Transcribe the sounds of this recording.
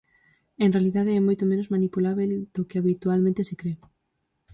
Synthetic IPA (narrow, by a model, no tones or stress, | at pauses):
enrealiðaðeɛmojt̪omẽnozmanipulaβeld̪̥okeaβit̪ualmẽnt̪esekɾeʊ